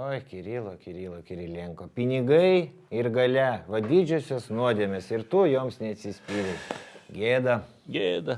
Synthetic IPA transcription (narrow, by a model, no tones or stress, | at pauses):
oːjkʲɪɾʲiːlˠoːkʲɪɾʲiːlˠoːkʲɪɾʲɪlʲɪŋkoːpʲɪnʲɪɡɐɪ | ɪɾɡɐlʲɛʋɐd̪ʲɪd͡ʒʲʊsʲoːsnuɔd̪ʲeɛmʲesɪɾt̪uːjoːmsnʲɛɐt̪ʲsʲɪsʲpʲiːɾʊsɡʲeːd̪ɐ | ɡʲeːd̪ɐ